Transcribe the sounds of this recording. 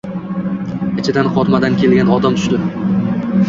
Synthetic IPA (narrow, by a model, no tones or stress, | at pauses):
ɪt͡ʃʰɪd̪anqʰɒt̪mad̪ankʲʰe̞lɡʲanɒd̪amt̪ʰʊ̥ʃt̪ɪ